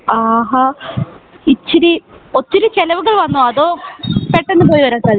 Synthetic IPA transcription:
aːɦa | it͡ɕːiɾiot̪ːiɾut͡ɕelɐʋuɣɐɭʋɐnːoɐðoːpeʈːe̞nːɨp̬o̞ːjiʋɐɾaːsɐl

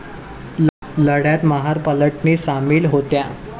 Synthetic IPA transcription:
ləɽjat̪məɦaɾpələʈniːsamiːlɦot̪ja

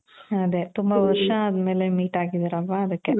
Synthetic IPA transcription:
ɐd̪e̞t̪umbɐʋɐɾʂɐːd̪me̞ːlemiːʈaːɡid̪iɾɐlʋaɐd̪ɐkːe

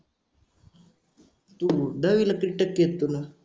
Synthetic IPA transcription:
t̪ud̪aʋilakɾiʈəkːjet̪ːuna

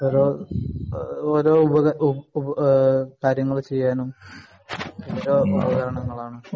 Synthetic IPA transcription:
oːɾoː | oːɾo̞ːubɐɐubɐkaːɾjɐŋːɐɭt͡ɕe̞jːaːnum | oːɾoːa̰ːɡɐɣɐɾɐɳɐŋːɐɭaːɳɨ

